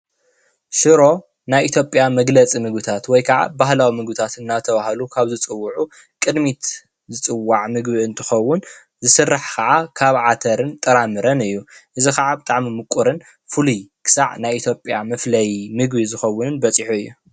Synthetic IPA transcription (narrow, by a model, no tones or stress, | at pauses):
ʃɨɾo̞ | najʔit̪ʰjo̞pʼjamɐɡlɐt͡sʼimɨɡbɨt̪ʰat̪wɔjkʰɐʕa̰baɦlawimɨɡbɨt̪ʰat̪ɨnːat̪ʰɐβahalukʰaβzɨt͡sʼɨwːʊʕu | kʼɨd̪mit̪ | zɨt͡sʼɨwːaʕmɨɡbiɨnt̪ʰɨxɐwːʊn | zɨsɨrːaħkʰɐʕakʰaβʕat̪ʰɐɾɨnt̪ʼɐɾamɨɾɐnɨjːuʔɨzixaʕabɨt̪ʼaʕmimɨkʼːuɾɨn | fɨlujkʰɨ̥sa̰ʕnajit̪ʰjo̞pʼja̰mɐflɐjmɨɡbizɨxɐwːʊnɨnbɐt͡sʼiħuɨjːu